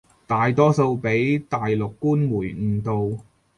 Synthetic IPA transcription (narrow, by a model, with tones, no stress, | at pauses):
t̪aː˨jt̪ɔː˥so˧wpe˨˥jt̪aː˨jlʊ˨kːuː˥nmuː˨˩jŋ̩ː˨˩t̪o˨w